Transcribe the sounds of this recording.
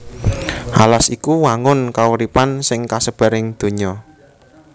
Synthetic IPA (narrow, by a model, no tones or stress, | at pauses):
ʔalasikuwaŋʊnkauɾipansɪŋkasəb̥a̤ɾɪŋd̪̥o̤ɲɔ